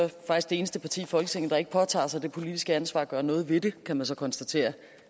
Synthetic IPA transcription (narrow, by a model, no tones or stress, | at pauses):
fɑ̈ɡ̥isɡ̥d̥e̝eːnəsd̥əpʰɑ̈t͡sʰḭːfɒ̽lɡ̥ət͡sʰe̝ŋ̰n̩d̥ɑ̈e̝ɡ̥əpʰɒ̽t͡sʰɑ̰̈ːsɑ̈ɪd̥e̝pʰo̝lid̥isɡ̥əænsʋɑ̰̈ːɡ̥ɶɐnɔ̽ːð̞̩ˠʋe̝d̥e̝kʰæmænsɒ̽kʰɒ̽nsd̥æt͡sʰe̝̰ːɐ